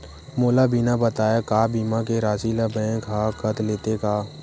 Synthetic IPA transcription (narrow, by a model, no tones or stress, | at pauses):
moːlabʱinabət̪aːjakaːbiːmakeɾaːsilabɛ̃ːkɦaːkət̪leːt̪ekaː